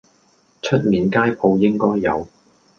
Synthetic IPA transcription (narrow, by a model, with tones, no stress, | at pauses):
t͡ʃʰɵ˥t̚miː˨nkaː˥jpʰo˨˧wjɪ˥ŋkɔː˥jːɐ̰˨˧w